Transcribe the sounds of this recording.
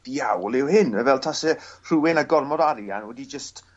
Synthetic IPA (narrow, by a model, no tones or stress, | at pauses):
d̥iawlˠɪwhɪnɛvɛlˠtʰasɛr̥uːɪnaɡɔrmɔdaɾja̰nwɛdid͡ʒəst